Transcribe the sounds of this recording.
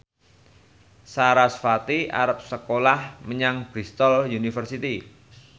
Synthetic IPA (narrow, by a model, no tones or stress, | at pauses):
saɾasfat̪ia̰ɾəp̚səkolahməɲaŋb̥ɾist̪ɔljunifərsit̪i